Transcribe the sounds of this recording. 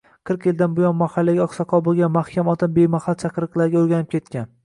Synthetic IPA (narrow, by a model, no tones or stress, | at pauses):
qʰɨɾqjɪld̪anbʊjɒnmahalːaɡʲaɒqsɒqʰɒbolˠɡʲanmahkʲʰamɒt̪anbejmahalt̪t͡ʃʰaqʰɾɨqlˠaɾɡʲaoɾɡʲanɪp̚kʲʰe̞t̪̚kʲan